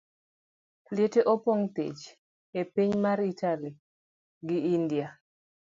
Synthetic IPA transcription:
ljeteʔopɔŋt̪ḛt͡ʃ | epiɲmaɾitʰali | ɡɪindia

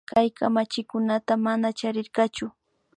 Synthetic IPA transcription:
kajkamat͡ʃɪkʊnat̪amanat͡ʃaɾɪɾɢɑt͡ʃʊ

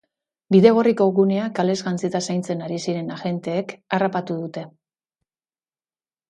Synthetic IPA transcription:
biðe̞ɣ̞o̞riko̞ɣune̞akale̞zɣant͡sit̪asajnt͡se̞naɾisiɾe̞naʝe̞nt̪e̞ːkarapat̪uðut̪e̞

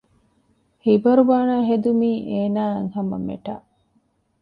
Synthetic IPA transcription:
hibɐɾuʋaːnaːɦed̪umiːʔeːnaːeŋɦɐmɐ̰mḛʈa̰ʔ

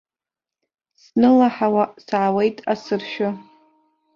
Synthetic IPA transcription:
snɨlaħawasʕawe̞jtʼasɨrʃᶣʊ

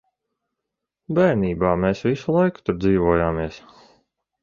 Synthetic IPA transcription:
bɛjniːbaːmeːsvisulˠajku̥t̪uɾd̪ziːvuɔjaːmiɛs

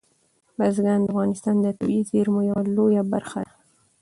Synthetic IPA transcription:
bazɡand̪afɣɑnɪst̪ɑnd̪ət̪uizeɾmojawalojabaɾxa̰

